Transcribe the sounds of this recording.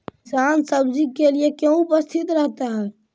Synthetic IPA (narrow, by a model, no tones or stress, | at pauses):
ksansəbd͡ʒikːeliekẽupəst̪ʰit̪ɾəɦt̪aɦɛː